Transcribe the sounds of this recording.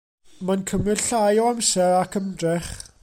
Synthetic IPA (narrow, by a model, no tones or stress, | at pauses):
mankʰəmɪdɬajɔamsɛɾakʰəmdrɛχ